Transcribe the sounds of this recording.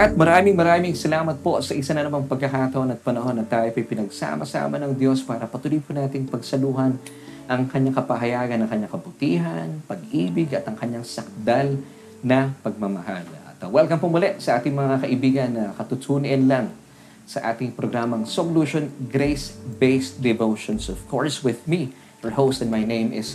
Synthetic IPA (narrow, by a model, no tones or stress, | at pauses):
ʔɐt̪̚mɐɾaːmɪŋmɐɾaːmɪŋsɐlaːmɐt̪̚po̞sɐʔɪsanɐnɐmaŋpɐɡ̚kːɐkaːt̪ɐʔonɐt̪̚pɐnɐho̞nɐt̪ːaːjpɐjpɪnɐɡsa̰ːmɐsa̰ːmɐnɐŋd̪jo̞spaːɾɐpɐt̪ʊlijpʊnaːt̪ɪŋpɐɡsɐluːɦɐn | ʔɐŋkɐɲaŋkɐpɐɦɐjaːɡɐnːɐŋkɐɲaŋkɐbʊt̪iːɦɐnpɐɡʔiːbɪɡɐt̪ɐŋkɐɲːaŋsɐk̚d̪al | nɐpɐɡ̚mɐmɐha̰lɐ̰t̪wɛlɡɐŋpomʊlɛʔsɐʔaːt̪ɪŋmɐŋakɐʔɪbiːɡɐnːɐkɐt̪ʊt̪ʰunɪnlaŋ | sɐʔaːt̪ɪŋpɾoɡɾamɐŋsoluʃonɡɾejsbejsd̪ɛvowʃonsɔfkʰoɹswɪðmi | həɹhowst̪ɛ̃nmajnẽjmʔɪs